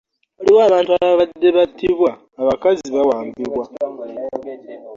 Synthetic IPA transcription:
aliwoaːβaːntuaβaβadːe̞βatʰiβwaː | βakaziβawaːmbiβwa

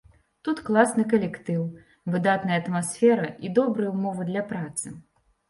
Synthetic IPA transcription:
t̪ut̪klˠasnɨkɐlʲɛkt̪ɨw | vɨd̪at̪nɐjɐt̪masʲfʲɛɾɐid̪ɔbɾɨjɐumɔvɨd̪lʲɐpɾat̪sɨ

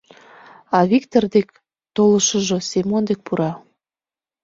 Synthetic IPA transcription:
ɑβikt̪ord̪ek̚ | t̪oləʃəʒosʲemond̪ek̚puɾɑ

